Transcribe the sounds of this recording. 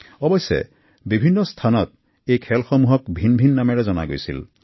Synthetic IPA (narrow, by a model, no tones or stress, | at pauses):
ɔbɔjsḛ | bibʱinːɔst̪ʰanɔt̪̚ | ejkʰɛlxɔmuɦɔkbʱinbʱinːamɛɹɛzɔna̰ɡojsḭl